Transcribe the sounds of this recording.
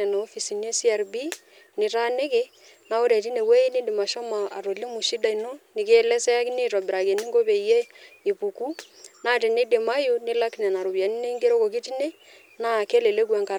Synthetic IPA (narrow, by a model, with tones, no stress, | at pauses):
ɛ˨no˨o˦fi˨si˨ne˦si˦a˨ɾbi˦ | nɪ˨ɾa˦ne˦ke˦ | na˦o˦ɾɛ˨t̬i˦ne˨we˦i˦ni˦de˨ma˨ʃɔ˦ma˨a˨ɾo˨li˦mu˨ʃi˦da˨i˨no˦nɪ˨ke˦˨lɛ˦sɛ˦a˦ki˦ne˦˨tɔ˨bɪ˨ɾa˨ke˨ni˦ŋɡo˦pe˨je˦i˨pu˨ku˦na˦˨te˨ne˦de˨ma˦ju˦nɪ˦la˦knɛ˨na˨ɾo˨bja˨ni˦ne˦i˦ŋɡe˦ɾo˦ko˨ki˦ti˦ne˦ | na˦˨ke˦le˨le˦kwa˨ŋka˨